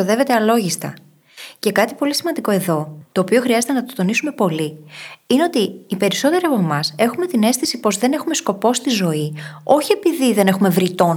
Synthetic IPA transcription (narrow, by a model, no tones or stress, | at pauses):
oðe̞ve̞t̪eɐlo̞ʝist̪ɐ̰ | ce̞kɐt̪i̥po̞lisimɐnd̪iko̞e̞ðo̞t̪oːpio̞xɾiɐzet̪e̞nɐt̪ot̪o̞nisume̞po̞liineo̞t̪iːpe̞ɾiso̞t̪e̞ɾiɐpo̞mɐse̞xume̞t̪ine̞st̪isipo̞zðe̞ne̞xume̞sko̞po̞st̪izo̞io̞çie̞piðiðe̞ne̞xume̞vɾit̪o̞n